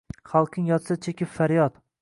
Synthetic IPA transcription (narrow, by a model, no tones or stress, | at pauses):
χalˠqʰɨɪŋjɒt̪sat͡ʃʰekʲʰɪpfaɾjɒt̪